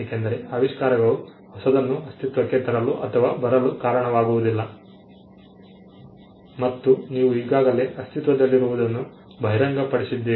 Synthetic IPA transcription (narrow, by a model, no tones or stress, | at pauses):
eːkend̪ɐɾe̞ɐʋiʂkaːɾɐɡɐɭu | hɔsɐd̪ɐnːuɐst̪it̪ʋɐkːet̪ɐɾɐluʔɐt̪ʰɐʋaːbɐɾɐlukaːɾɐɳɐʋaːɡuʋud̪ilːɐ | mɐt̪ːuniːʋuiːɡaːɡɐle̞ɐst̪it̪ʋɐd̪ɐlːiɾuʋud̪ɐnːu | bʱɐɦjɾɐŋɡɐpɐɽisid̪ːeː